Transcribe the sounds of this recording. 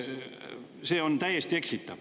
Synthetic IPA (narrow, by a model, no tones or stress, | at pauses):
seːont̪æjest̪ieksit̪ːæʋ